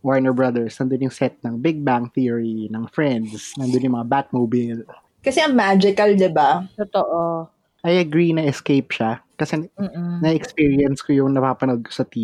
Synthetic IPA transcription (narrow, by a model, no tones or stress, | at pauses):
wɔɹnɛɹbɹɐd̪ɛɹsnɐnd̪onjʊŋsɛt̪̚nɐŋbɪɡ̚baŋθiɹinɐŋfɹɛnd̪snɐnd̪onjʊŋmɐŋabat̪̚mobil | kɐsɛɐmad͡ʒɪkɐld̪ɪbat̪ot̪oʔo | ʔɐjʔɐɡɹinɐʔɛskejp̚ʃakɐsɛm̩ːnɐʔɛkspiːɹiɛnskojʊŋnɐpapɐnɐd̪̚kosɐt̪i